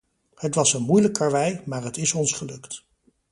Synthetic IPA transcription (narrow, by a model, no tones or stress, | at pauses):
hətʋɑsənmujləkːɑɹʋɛjmaːɹɦətɪsɔnsχəlɵkt